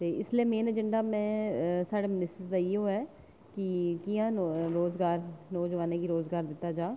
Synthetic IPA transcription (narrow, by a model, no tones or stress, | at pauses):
t̪eːɪslieːmeːnəd͡ʒəɳɖaːmɛ̃ːsaːɽeːmɪnɪsəsd̪aːiɦoːɛː | kɪkiːãːɾoːzɡaːɾnɔːzəʋaːnẽːkiːɾoːzɡaːɾd̪ɪt̪ːaːd͡ʒaː